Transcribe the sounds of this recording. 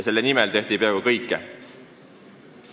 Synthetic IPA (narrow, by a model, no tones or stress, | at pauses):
se̞lːenimɛlt̪e̞ht̪ipræːɡukɤjkːˑe